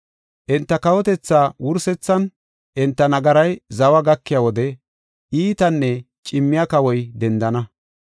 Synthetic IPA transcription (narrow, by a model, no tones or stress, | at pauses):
ʔɪnt̪ːɐkɐwɔt̪ɛt͡sːaːwʊɾsɛt͡sːɐn | ʔɪnt̪ːɐnɐɡɐɾɐjzɐwɐɡɐkːɪjawɔd̪ɛ | ʔiːt̪ɐnːɛ | t͡ʃʼɪmːɪjakɐwɔjd̪ɛnd̪ɐnɐ